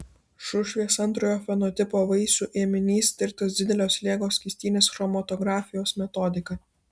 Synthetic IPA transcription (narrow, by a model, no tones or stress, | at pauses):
ʃʊʃʲʋʲiɛsɐnˑt̪ɾoːjoːfʲɛnɔt̪ʲɪpoːʋɐɪsuːʔeɛmʲɪnʲiːst̪ʲɪɾʲt̪ʲosd̪ʲɪd̪ʲɛlʲoːslʲeɛɡoːsʲkʲɪsʲt̪ʲiːnʲeːsxɾɔmɐt̪ɔɡɾɑːfʲɪjoːsmʲɛt̪ɔd̪ʲɪkɐ